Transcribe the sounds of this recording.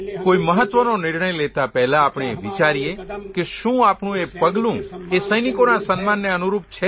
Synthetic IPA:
koiməɦət̪ʋənonɪɾɳəjlet̪apɛɦlaːpɳ̃eeʋit͡ʃaɾiekeʃũapɳũepəɡlũesəjnikonasənmanːeənuɾup̚t͡ʃʰe

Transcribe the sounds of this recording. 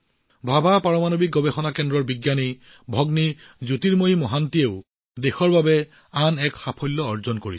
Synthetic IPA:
bʱabʱapaɹɔmanobik̚ɡɔbexɔnakɛndɹɔɹbiɡjane | bʱɔɡnizutiɹmojimɔɦantieʊ | dexɔɹbabɛ | anɛkxapʰɔjlːɔɔɹzɔnkoɹi

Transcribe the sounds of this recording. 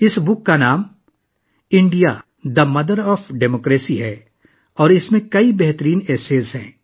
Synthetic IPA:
ɪsbʊkːanaːm | ɪ̃ɳɖija | d̪ɐmɐd̪əɾɔːfɖeːmoːkɾeːsiɦɛː | ɔːɾɪsmẽkɐibɛɦt̪əɾiːneːseːzɦɛ̰̃ː

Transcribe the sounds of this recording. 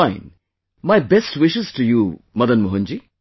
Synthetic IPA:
aɪ̃n | majbestwɪʃɨz̥tuju | mʌd̪ɐnmoɦund͡ʒi

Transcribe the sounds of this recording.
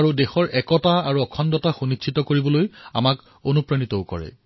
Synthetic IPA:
ɹudɛxɔɹʔɛkɔtaaɹuɔkʰɔndɔtaxunit͡ʃʰːitɔkoɹibɔloja̰mak | onupɹanitɔwkɔ̰ɹɛ̰

